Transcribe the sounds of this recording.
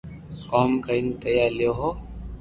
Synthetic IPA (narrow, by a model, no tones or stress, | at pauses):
kɔːmkaint̪ɐjaljoɦo